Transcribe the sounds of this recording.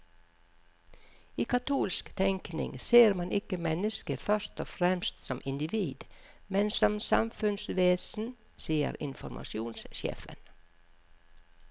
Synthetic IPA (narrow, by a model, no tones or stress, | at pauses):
iːkʰɑt̪ʰuːlskt̪ʰɛŋknɪ̰ŋseːɾmɑnʔɪkəmɛnəskəfœɾʃt̪ɔfɾɛmst̪sɔmʔɪnd̪ɪʋiːd̪ | mɛnsɔmsɑmfʉnsʋeːsn̩ | siːə̰ɾɪnfɔɾmʔɑ̰ʃjuːnsʃḛːfə̰n